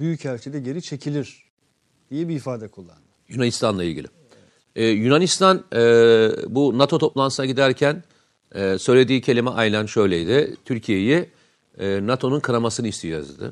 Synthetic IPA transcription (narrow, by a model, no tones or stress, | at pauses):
byjycælʲt͡ʃʰed̪ɛɟe̞ɾit͡ʃʰe̞cʰilʲiɾ̥ | d̪̥ijɛbiːfaːd̪ɛkʰulˠːa̰nɯjunanist̪ʰanlˠailʲɟḭlʲɪ | ɛːjunanist̪ʰanɛbunat̪ʰo̞t̪ʰo̞plˠant̪ʰɯnaɟid̪æɾcʰæn | ɛsø̞jlʲe̞d̪iːcʰelʲimɛʔajlʲanʃø̞jlʲejd̪ɪt̪ʰyɾcʰije̞jɛː | nat̪ʰo̞nunkʰaɾamasɯnɯist̪ʰid͡ʒo̰zḭd̪ɯ̰